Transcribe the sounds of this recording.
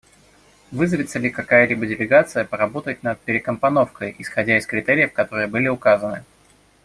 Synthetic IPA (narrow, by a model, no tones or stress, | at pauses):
vɨzəvʲɪt̪səlʲɪkɐkajəlʲibədʲɪlʲɪɡat̪sɨjəpəɾɐbo̞t̪ət̚ʲnət̪̚pʲɪɾʲɪkəmpɐno̞fkəjʔɪsxɐdʲæɪskɾʲɪt̪ɛɾʲɪjəfkɐt̪o̞ɾɨjəbɨlʲɪʊkazənɨ̰